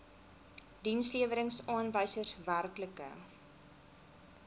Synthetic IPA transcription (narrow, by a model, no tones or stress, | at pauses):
dinsliəvəɾəŋsɑːnvəjsərsværkləkə̰